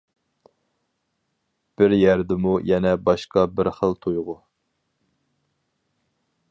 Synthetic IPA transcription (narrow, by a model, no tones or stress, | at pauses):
b̥ɪɾjæɾd̪ɪmujɛnɛbɑʃqɑbɪɾχəlˠt̪ʰojʁʊ